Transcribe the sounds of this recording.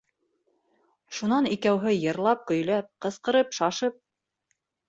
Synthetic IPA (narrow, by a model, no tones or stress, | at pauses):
ʃunɑnikæwɦɘjɤ̆ɾlˠɑp̚kɵ̆jlæp̚qɤ̆sqɤ̆ɾɤpʃɑʃɤp̚